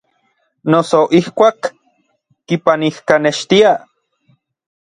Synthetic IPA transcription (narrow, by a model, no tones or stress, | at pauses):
nosoʔihkʷaːkː | ipanihkaneʃt̪ia